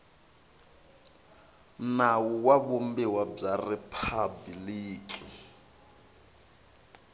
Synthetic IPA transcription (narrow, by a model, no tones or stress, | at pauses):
nawuwaβumbɛwab͡ʐarɛpʰabiliːkʼi